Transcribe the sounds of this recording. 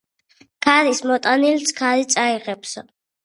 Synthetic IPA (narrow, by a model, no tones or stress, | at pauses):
kʰaɾismɔt̪ʼanilsʰkʰaɾit̪sʼaiʁɛpʰs